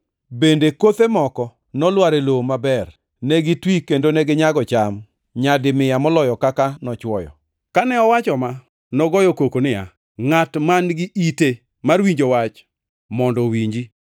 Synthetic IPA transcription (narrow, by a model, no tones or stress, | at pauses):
bendekot̪emɔkɔ | nɔlwaɾelomabɛr | nɛɡɪtwikendonɛɡɪɲaɡɔt͡ʃam | ɲadɪmɪjamɔlɔjɔkakanɔt͡ʃwɔjɔ̰ | kanɛɔwat͡ʃɔma | nɔɡɔjɔkokonɪja̰ | ŋatmanɡɪʔite | marwiɲd͡ʒowat͡ʃ | mɔndɔwiɲd͡ʒi